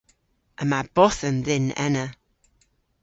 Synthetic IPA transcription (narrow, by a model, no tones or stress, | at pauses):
əmab̥ɔθənðɪnɛ̰nə